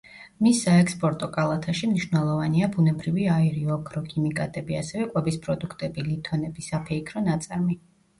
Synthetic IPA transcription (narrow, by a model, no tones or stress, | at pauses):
misːaɛkspʼɔɾt̪ʼɔkʼalˠat̪ʰaʃimniʃvnɛlˠɔvaniabunɛbɾiviaiɾiɔɡʰɾɔkʰimikʼat̪ʼɛbiasɛvɛkʼwɛbispʼɾɔd̪ukʰt̪ʼɛbilit̪ʰɔnɛbisapʰɛikʰɾɔnat̪sʼaɾmi